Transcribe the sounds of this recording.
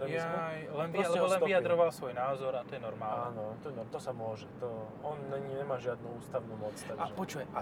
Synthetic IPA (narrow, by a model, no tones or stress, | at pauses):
ɾɛmiajlɛniɛalɛbɔlɛnijad̪ɾɔʋalsʋɔjnaːzɔɾat̪ɔjɛnɔɾmaːlanɔt̪ɔjɛnɔt̪ɔsamʊɔʒɛt̪ɔ | ɔnːɛɲɲɛmaːʒɪad̪̚nuuːst̪aʊnuːmɔt͡sst̪aaʒɛpɔt͡ʃuɛa